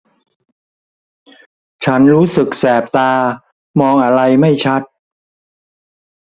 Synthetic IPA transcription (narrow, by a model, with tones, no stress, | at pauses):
t͡ɕʰa˦˥nɾuː˦˥sɯ˨˩k̚sɛː˨˩p̚t̪aː˧ | mɔː˧ŋʔa˧ɾa˧jma˥˩jt͡ɕʰa˦˥t̪̚